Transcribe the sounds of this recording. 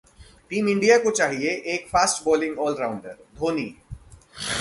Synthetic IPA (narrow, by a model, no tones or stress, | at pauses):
ʈiːmɪ̃ɳɖijakot͡ʃaːɦieʔeːkfaːsʈbɔːlɪ̃ŋɡɔːlɾaːʊ̃ɳɖəɾd̪ʱoːnḭː